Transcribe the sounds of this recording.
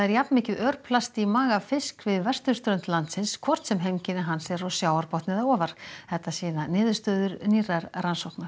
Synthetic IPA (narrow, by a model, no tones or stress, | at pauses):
aðɛɾjapnmɪːcʏðœɾpʰlast̪imaːɣafɪskvɪðvɛr̥st̪ʏɾ̥st̪ɾœnt̪lant̪sɪnskʰvɔr̥t̪sɛmɦejmcɪnɪɦanːsɛɾɔɣsjaːwaɾpɔht̪nɪðaɔːvaɾ̥θɛht̪ːasiːnanɪːðʏ̥st̪œːðʏɾniːraɾransɔwhknaɾ̥